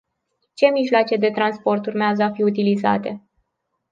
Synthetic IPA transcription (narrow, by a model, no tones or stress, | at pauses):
t͡ʃe̞miʒloat͡ʃe̞d̪e̞t̪ɾanspo̞rt̪urmeazəafiut̪iliza̰t̪e̞